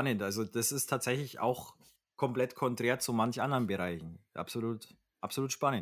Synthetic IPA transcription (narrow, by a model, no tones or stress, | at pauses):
anəntʔalzod̥asɪstʰːaːtz̥ɛçlɪça̰ʊx | kʰɔmpl̥ɛtkʰɔntʁ̥eːɐt͡sumançʔandɐʁnbəʁaɪçn̩ʔa̰psoluːt | ʔapsoluːtʃpanənt